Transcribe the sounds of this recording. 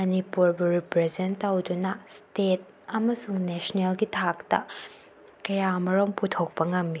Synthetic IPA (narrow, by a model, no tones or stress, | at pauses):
mɐnipuɾbɐɾipɾezentːawdunɐstet̚ | ɐmɐsuŋnesɐnelɡitʰaktɐ̰ | kɐjamɐɾomputʰok̚pɐŋɐmːi